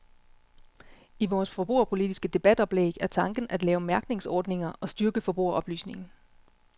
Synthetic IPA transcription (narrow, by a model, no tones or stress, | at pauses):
iʋɒːsfɒ̽b̥ʁṵɐ̰pʰo̝lid̥isɡ̥əd̥e̝b̥æd̥ɒ̽b̥lḛːɡ̥æɐt͡sʰɑ̈ŋɡ̥n̩ʔæd̥lɛːʊmæɐɡ̥ne̝ŋsɒ̰ːd̥ne̝ŋɐʔɒ̽sd̥yɐɡ̥əfɒ̽b̥ʁṵɐʔɒ̽b̥ly̰ːsne̝ŋn̩